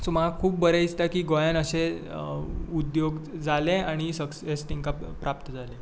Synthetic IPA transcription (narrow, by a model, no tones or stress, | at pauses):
soməɡakʰuːp̚bəɾeist̪akiːɡojanəɕe | ud̪joɡd͡zaleaɽ̃isəksɦesʈiŋkappɾap̚t̪əd͡zʱale